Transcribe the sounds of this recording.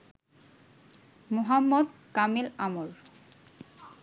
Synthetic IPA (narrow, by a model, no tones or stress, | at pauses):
moɦamːod̪kamilamol